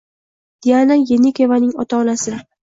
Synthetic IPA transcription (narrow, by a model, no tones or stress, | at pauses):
d̪̥ianajenikʲevanɪŋɒt̪ʰaɒnasɪ